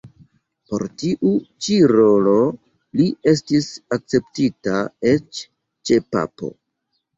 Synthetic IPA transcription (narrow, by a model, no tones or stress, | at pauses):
po̞̰ɾtiʔut͡ʃiɾo̞lo̞ | lie̞s̬tisak̚t͡se̞ptitaet͡ʃ | t͡ʃe̞pa̰po̞̰